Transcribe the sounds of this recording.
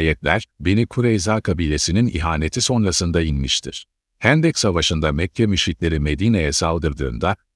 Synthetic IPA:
jɛt̪lʲæɾ̥benikʰuɾejzaːkʰabiːlʲe̞sininḭɦaːne̞t̪ʰiso̞nɾasɯnd̪ainmiʃt̪ʰḭɾ̥ | hænd̪ɛcsavaʃɯnd̪amɛcʰjamyʃit̪lʲe̞ɾime̞d̪iːne̞jɛsalˠd̪ɯɾd̪ɯ̰ːnd̪a

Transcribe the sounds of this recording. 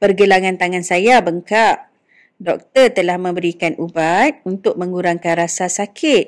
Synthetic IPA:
pərɡəlaŋant̪aŋansajabəŋkaʔ | dɔk̚t̪ərt̪əlahmə̃mbəɾikanʔubat̪̚unt̪ʊk̚mə̃ŋɡuɾaŋkanɾasasakʰɪt̪̚

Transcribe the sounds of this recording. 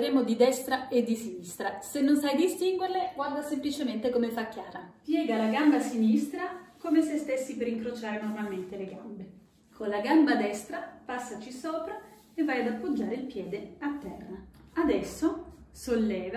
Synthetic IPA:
ɾeːmod̪id̪ɛst̪ɾaed̪ːisinist̪ɾasenːonsajd̪ist̪iŋɡwerleɡward̪asemplit͡ʃement̪ekomefakːjaːɾapjɛːɡalaɡambasinist̪ɾakomesest̪esːipeɾiŋkɾot͡ʃaːɾenormalment̪eleɡambe | konlaɡambad̪ɛst̪ɾapasːat͡ʃisoːpɾa | evːajad̪apːod͡ʒːaːɾeilpjɛːd̪eat̪ːɛ̰rːaad̪ɛsːosolːɛːva

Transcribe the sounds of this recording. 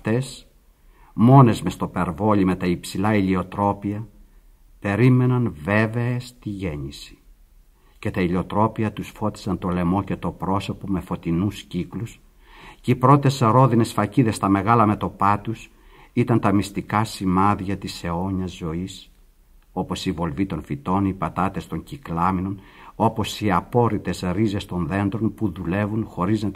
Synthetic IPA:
ft̪e̞s | mo̞ne̞zme̞st̪o̞pe̞ɾvo̞limet̪ɐipsilɐilio̞t̪ɾo̞piɐ | pe̞ɾime̞nɐnve̞ve̞est̪iʝe̞ɲisi̥ | ce̞t̪ɐilio̞t̪ɾo̞piɐt̪usfo̞t̪i̥sɐnt̪o̞le̞mo̞cet̪o̞pɾo̞so̞pomefo̞t̪inusciklus | ceipɾo̞t̪e̞sɾo̞ðine̞sfɐciðe̞st̪ɐme̞ɣɐlɐme̞t̪o̞pɐt̪us | it̪ɐnt̪ɐmist̪ikɐsimɐðʝɐt̪ise̞o̞ɲɐzːo̞is | o̞po̞sivo̞lvit̪o̞nfit̪o̞nipɐt̪ɐt̪e̞st̪o̞ɲciklɐmino̞no̞po̞siɐpo̞ɾit̪e̞zɾize̞st̪o̞nðe̞nd̪ɾo̞npuðule̞vunxo̞ɾiznɐt̪

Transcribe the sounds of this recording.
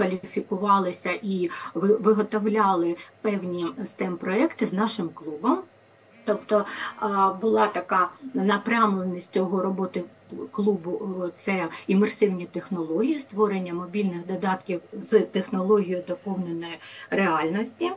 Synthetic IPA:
kʋɐlʲfʲikʊʋɑlˠɪsʲɐʔiʋɪʋɪɦɔt̪ɔwlʲɑlˠɪpɛwnʲist̪ɛmpɾɔɛkt̪ɪznɑʃɪmklˠubɔm | t̪ɔpt̪ɔ | bʊlˠɑt̪ɐkɑnɐpɾʲɑmlˠenʲisʲtʲt͡sʲɔɦɔɾɔbɔt̪ɪ | klˠubʊt̪sɛimersɪwnʲit̪exnɔlˠɔɦʲijist̪ʋɔɾenʲːɐmɔbʲilʲnɪxd̪ɔd̪ɑt̪kʲiwzt̪exnɔlˠɔɦʲijʊd̪ɔpɔwnenɔjʊreɑlʲnɔsʲtʲi

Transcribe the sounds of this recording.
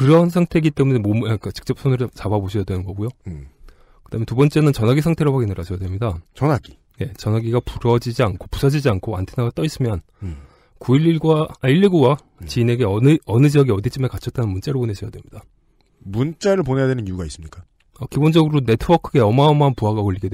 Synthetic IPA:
kɯɾʌnsʰaŋtʰe̞ɡit͈e̞mune̞momak͈at͡ɕɯ̥k̚t͡ɕ͈ʌp̚s͈ʰonuɾɯt͡ɕababoɕʰijadwenɯnɡʌɡujo | kɯd̥aːmentubʌnt͡ɕ͈e̞nɯnt͡ɕʌnɦaɡisʰaŋtʰeɾopaɡinɯɾaɕʰʌjadwemɲidat͡ɕʌnaɡi | je̞t͡ɕʌnaɡiɡapuɾʌd͡ʑid͡ʑiankʰopusʰʌd͡ʑid͡ʑiankʰoa̰ntʰenaɡat͈ʌis͈ɯmjʌn | kuiɾiɭɡwaːiʎːiɡuwa | t͡ɕiine̞ɡe̞ʌʌnɯd͡ʑiʌɡiʌdit͡ɕʰimekat͡ɕʰʌt͈̚anɯnmunt͡ɕ͈eɾopone̞ɕʰʌjadwe̞mɲid̥a | munt͡ɕ͈aɾɯɭpone̞jadwe̞nɯnjuɡais͈ɯmɲik͈a | ʌkibond͡ʑʌɡɯɾone̞tʰɯbʌkʰɯɡe̞ʌmaomanpuɦaɡakʌʎːiɡed

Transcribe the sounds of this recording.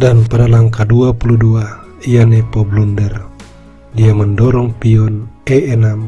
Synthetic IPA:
danpadalaŋkaduapuludua | ijanɛpɔblundɛr | diaməndɔɾɔŋpiɔnɛɛnam

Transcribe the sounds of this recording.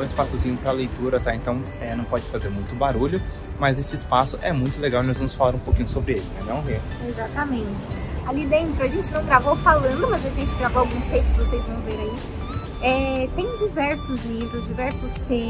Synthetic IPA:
w̃ɪspasʊzĩɲʊpɾɐlejt̪uɾɐt̪aẽnt̪ɐ̃w̃ | ɛnɐ̃w̃pɔd͡ʒɪfazeɾmũj̃t̪ʊbaɾuʎʊ | mɐzesɪːspasʊʔɛmũj̃t̪ʊleɡawɪnɔzvɐ̃mʊsfalaɾũpokĩɲʊsobɾɪelɪɛ̃d̪ɐ̃w̃ve | ezat̪ɐmẽnt͡ʃɪ̥alid̪ẽnt̪ɾʊɐʒẽnt͡ʃɪnɐ̃w̃ɡɾavowfalɐ̃nd̪ʊmɐzaʒẽnt͡ʃɪɡɾavowawɡũst̪ejkʊ̥skvosejzvɐ̃w̃veɾai | ɛt̪ẽj̃d͡ʒivɛɾsʊzlivɾʊzd͡ʒivɛɾsʊst̪ẽ

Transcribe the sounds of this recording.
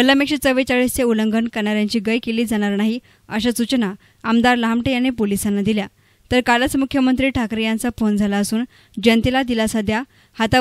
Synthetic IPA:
kəlːamekʂət͡səʋet͡ɕaɭist͡seuləŋɡəɳkəɾɳaɾjãɲt͡ɕiːɡəjkeliːd͡zaɽ̃aɾnaɦi | əɕasut͡ɕna | amd̪aɾləɦamʈejanepolisanːad̪ilja | t̪əɾkalət͡smukʰjəmənt̪ɾiːʈʰakɾijant͡safond͡zʱalaəsuːn | d͡ʑənt̪ilad̪ilasad̪ja | hat̪a

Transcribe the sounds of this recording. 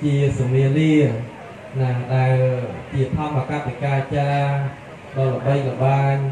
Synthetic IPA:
t͡ɕiəsamiəliə | naɗaɛlt͡ɕiət̪ʰɑmakat̪ikaːt͡ɕaː | ɗɑləɓəjləɓaːɲ

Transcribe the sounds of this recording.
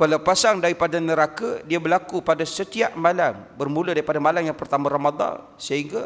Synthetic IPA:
kalapasaŋdaɾipadanəɾakadiabəlakupadasət̪iaʔmalambərmuladaɾipadamalamjaŋpərt̪amaɾamad̪ˤɑ̰n | səɦiŋɡa

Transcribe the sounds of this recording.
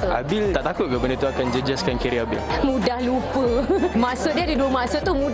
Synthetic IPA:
a̰bilt̪aʔt̪akʊt̪̚kabəndət̪uakand͡ʒəd͡ʒaskankiɾiabilmũdahlupəmasədiadiduəmasət̪umũ

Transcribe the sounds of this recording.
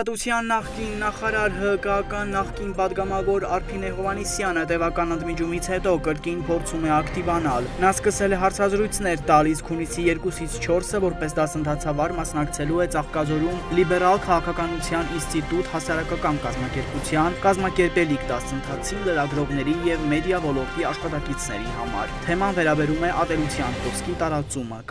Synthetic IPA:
t̪ut͡sʰjɑnːɑχkinːɑχɑɾɑɾɦəəkəɑkɑnːɑχkinpɑd̪ɡɑmɑvɔɾɑɾpʰinɛɦɔvɑnisjɑnət̪ɛvɑkɑnənd̪mid͡ʒumit͡sʰhɛt̪ɔkəɾkinpʰɔɾt͡sʰumɛɑkt̪ivɑnɑlnɑskəsɛlɛɦɑɾt͡sʰɑzɾujt͡sʰnɛɾt̪ɑliskʰhunisijɛɾkusit͡sʰt͡ʃʰɔɾsəvɔɾpɛs̬d̪ɑsənt̪ʰɑt͡sʰɑvɑɾmɑsnɑkt͡sʰɛluɛt͡sɑχkɑzɔɾumlibɛɾɑlkʰɑʁɑkʰɑkɑnut͡sʰjɑninst̪it̪ut̪hɑsɑɾɑkɑkɑnkɑzmɑkɛɾput͡sʰjɑnkɑzmɑkɛɾpɛlikd̪ɑsənt̪ʰɑt͡sʰiləɾɑɡɾɔʁnɛɾijɛvmɛd̪jɑvɔlɔɾt̪iɑʃχɑt̪ɑkit͡sʰnɛ̰ɾihɑ̰mɑ̰ɾt̪ʰɛmɑnvɛɾɑbɛɾumɛʔɑt̪ɛlut͡sʰjɑntɔɾskit̪ɑɾɑt͡sumə

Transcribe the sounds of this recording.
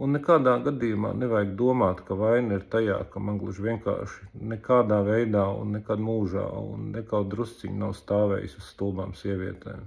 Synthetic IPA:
unːekaːd̪aːɡad̪ijuma̰ːneʋajɡd̪uɔmaːt̪kaʋajnɐiɾt̪aja̰ːkamanɡlˠuʒʋiɛŋka̰ːɾʃi̥nɛkaːd̪aːʋɛjd̪aːṵnːekad̪muːʒa̰ːṵnːɛkawt̪̚d̪ɾust̪siɲnawst̪aːʋɛ̰ːjḭsusst̪ulˠba̰ːmsiɛʋḭɛt̪ɛ̰j

